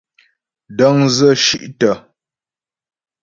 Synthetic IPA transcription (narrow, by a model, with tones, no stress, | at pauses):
də˦ŋzə˦˨ʃi˦˨ʔtə˨